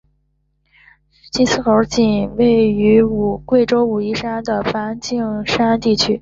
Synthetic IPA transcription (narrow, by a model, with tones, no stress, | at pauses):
t͡ɕi˥nsɹ̩˥˩xə˧˥t͡ɕi˨˩nwe˥˩ɪy˧˥u˨˩kwe˥˩ɪʈ͡ʂo˥ʊu˨˩i˥˩ʂa˥nd̪ə˨˩fa˧˥nt͡ɕi˥˩ŋʂa˥nt̪i˥˩t͡ɕʰy˥